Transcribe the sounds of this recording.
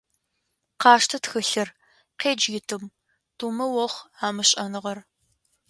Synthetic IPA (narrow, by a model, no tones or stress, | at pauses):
qɑːʂtʰɐtxɨɬɐr | qeːd͡ʒjɪtʰɨm | tumɐwɔχʷaːmɨɕʼɐnɨʁɐr